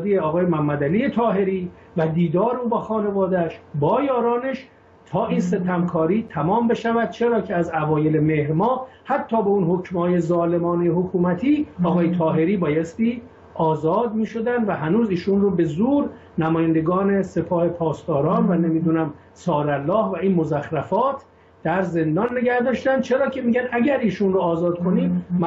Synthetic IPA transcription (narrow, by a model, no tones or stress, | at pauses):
d̪ijeɒːɣɒːjemæhæmːæd̪æliːje̞t̪ʰɒːɦe̞ɾiː | væd̪iːd̪ɒːɾeuːbæːxɒːne̞vɒːd̪æʃbɒːjɒːɾɒːne̞ʃ | t̪ʰɒːʔinse̞t̪ʰæmkʰɒːɾiːt̪ʰæmɒːmbe̞ʃævæd̪̚t͡ʃʰeɾɒːcʰeæzævɒːje̞lemehɾmɒː | hæt̪ʰːɒːbeunhocmhɒːje̞zɒːle̞mɒːnehokʰuːmæt̪ʰiːɒːɣɒːjet̪ʰɒːɦe̞ɾiːbɒːjest̪iː | ɒːzɒːd̪̚miːʃo̞d̪ænd̪væɦænuːziːʃunrobe̞zuːɾ | næmɒːjænd̪eɡɒːne̞se̞pʰɒːhe̞pʰɒːst̪ɒːɾɒːnvæne̞miːd̪unæm | sɒːɾælːɒːhvæiːnmo̞zæxɾæfɒːt̪ʰ | d̪̥æɾze̞nd̪ɒnːe̞ɟæhd̪ɒːʃt̪ænd̪̚t͡ʃʰe̞ɾɒːcʰe̞miːɟænæɟæɾiːʃunroːzɒːd̪kʰo̞niːmː